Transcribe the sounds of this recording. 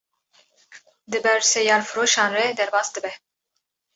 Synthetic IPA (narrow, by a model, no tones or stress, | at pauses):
d̪ɨbɛɾsɛjɑːlfɨɾoːʃɑːnrɛd̪ɛɾbɑːsd̪ɨbɛ